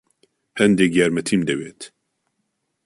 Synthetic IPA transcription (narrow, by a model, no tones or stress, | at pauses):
hɛnd̪eːɡjɛɾmɛt̪ʰimd̪ɛweːt̪